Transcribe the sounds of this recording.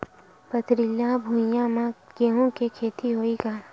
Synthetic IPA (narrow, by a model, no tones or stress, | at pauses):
pət̪ɾɪljabʱũjamãɡeːɦõkekʰeːt̪iɦoːiɡaː